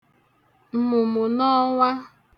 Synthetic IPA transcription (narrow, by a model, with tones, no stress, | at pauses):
m̩˨mʊ˨mʊ˨nɔ˦ŋʷa˦